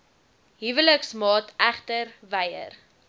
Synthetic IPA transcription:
ɦivələksmɑːtʰæχtərvɛjə̰r

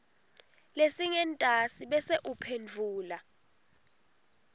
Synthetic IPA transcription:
lesiŋɛntʼasiɓɛseʔupʰend͡ɮʱuːla

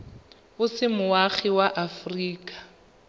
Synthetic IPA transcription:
ʊsɪmʊaɣɪwaʔafriːkʼḁ

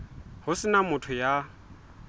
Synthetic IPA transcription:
hʊsɪnamʊtʰʊja

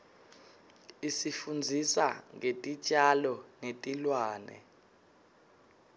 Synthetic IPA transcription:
isifund͡zʱisa̰ŋetʼit͡ʃʼalɔnetʼilwaːnɛ̰

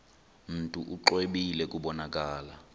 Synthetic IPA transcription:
m̩tʼuʔuǃweɓilɛkʼuɓɔnakʼaːla

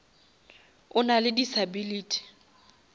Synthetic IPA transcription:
ʊnalɪdisabiliːtʰi̥

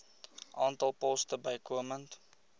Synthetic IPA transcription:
ʔɑːntɐlˠpɔstəbəjkuəmənt

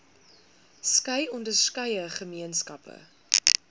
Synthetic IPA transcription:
skɐjɔndərskɐjəχəmiənskɐpʰə̰

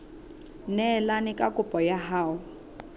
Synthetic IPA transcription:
nɛlanɪkʼakʼʊpʼɔjaɦaːʊ

